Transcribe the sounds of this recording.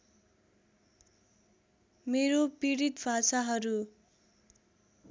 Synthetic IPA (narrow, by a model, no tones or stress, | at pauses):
meɾopiɽit̪bʱasaɦʌɾu